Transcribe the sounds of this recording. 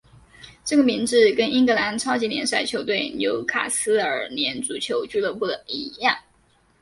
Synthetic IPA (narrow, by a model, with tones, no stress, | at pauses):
ʈ͡ʂɤ˥˩ɡə˩mi˧˥ŋʈ͡ʂɻ̩˥˩kə˥ni˥ŋɡɤ˧˥la˧˥nʈ͡ʂʰɑ˥ʊt͡ɕi˧˥njɛ̰˧˥nʂa˥˩ɪt͡ɕʰjo˧˥ʊt̪we˥˩ɪnjo˧˥ʊkʰa̰˨˩sɹ̩˥ə̰˞˨˩njɛ˧˥nt͡su˨˩t͡ɕʰjo˧˥ʊt͡ɕy˥˧lɤ˥˧pu˥˩d̪ə˩i˧˥jɑ˥˩ŋ